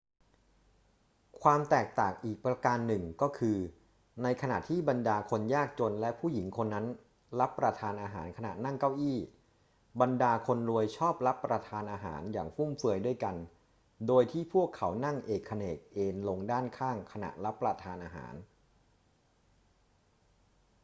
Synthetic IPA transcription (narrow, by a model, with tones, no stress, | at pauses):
kʰwaː˧mt̪ɛː˨˩k̚t̪aː˨˩ŋʔiː˨˩k̚pɾa˧kaː˧nːɯ˨˩ŋkɔː˥˩kʰɯː˧ | na˧jkʰa˧na̰˨˩ʔt̪ʰiː˥˩ba˧ndaː˧kʰo˧njaː˥˩k̚t͡ɕo˧nlɛ˦˥pʰuː˥˩ji˩˦ŋkʰo˧nːa˦˥n | la˦˥pːɾa˧t̪ʰaː˧nʔaː˧ɦaː˩˦nkʰa˧na̰˨˩na˥˩ŋka˥˩wʔiː˥˩ | ba˧ndaː˧kʰo˧nlu˧əjt͡ɕʰɔː˥˩p̚ɾa˦˥pːɾa˧t̪ʰaː˧nʔaː˧ɦa̰ː˩˦njaː˨˩ŋfu˥˩mfɯ˧əjdu˥˩əjka˧n | doː˧jt̪ʰiː˥˩pʰu˥˩əkʰːa˩˦wna˥˩ŋʔeː˨˩kʰːa˧neː˨˩k̚ʔeː˧nlo˧ŋdaː˥˩nkʰaː˥˩ŋkʰa˧na̰˨˩ʔla˦˥pːɾa˧t̪ʰaː˧nʔaː˧ɦa̰ː˩˦n